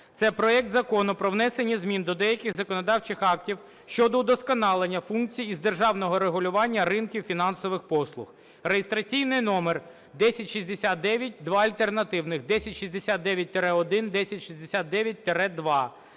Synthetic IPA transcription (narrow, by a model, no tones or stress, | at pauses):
t̪sɛpɾɔɛk̚t̪zɐkɔnʊpɾɔwnɛsenʲːizmʲind̪ɔd̪ɛjɐkʲɪɣzɐkɔnɔd̪ɑwt͡ʃɪxɑktʲiw | ʃt͡ʃɔd̪ɔd̪ɔskɔnɑlˠenʲːɐfunk̚t͡sʲijizd̪erʒɑwnɔɦɔɾeɦʊlʲʊʋɑnʲːɐrɪnkʲiwfʲinɑnsɔʋɪxpɔslˠʊx | rejest̪ɾɐt͡sʲijnɪjnɔmer | d̪ɛsʲɐtʲʃizʲd̪esʲat̪̚d̪ɛʋʲjɐt̚ʲd̪ʋɑɐlʲt̪ernɐt̪ɪwnɪxd̪ɛsʲɐtʲʃizʲd̪esʲat̪̚d̪ɛʋʲjɐt̚ʲt̪eɾɛɔd̪ɪnd̪ɛsʲɐtʲʃizʲd̪esʲat̪̚d̪ɛʋʲjɐt̚ʲt̪eɾɛd̪ʋɑ